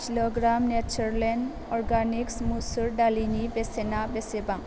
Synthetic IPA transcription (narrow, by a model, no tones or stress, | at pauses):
kiloɡɾamnet͡ʃɔɾlen | ɔɾɡaniksmusuɾɖalinibesenabesebaŋ